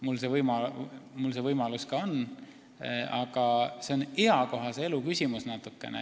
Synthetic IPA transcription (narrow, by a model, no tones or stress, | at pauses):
mulse̞vɤjmɑmulse̞vɤjmɑluskɑon | ɑɡ̥ɑse̞o̞neɑko̞ɦɑse̞e̞lukysʲimusnɑt̪ːˑukːˑe̞̰nḛ